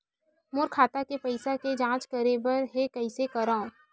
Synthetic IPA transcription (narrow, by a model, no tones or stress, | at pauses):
mʊɾkʰaːt̪akepɐɪsaked͡ʒãːt͡ʃkəɾebəɾɦekɐɪsekɐɾaːõ